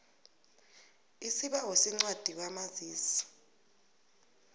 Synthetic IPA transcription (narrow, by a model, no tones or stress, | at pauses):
isiɓawosiŋ͡ǀad̥ʱik̬amaziːsi̥